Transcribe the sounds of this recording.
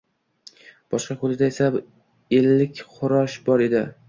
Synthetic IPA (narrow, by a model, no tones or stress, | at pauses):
b̥ɒʃqɑqʊd̪ɪd̪aesa | elːɪkʲχʊɾɒʃbɒɾe̞d̪ɪ̰